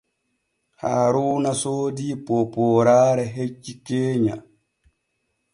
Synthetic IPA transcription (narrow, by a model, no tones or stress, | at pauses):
haːɾuːnasoːdiːpoːpɔːɾaːɾɛɦet͡ʃːikeːɲa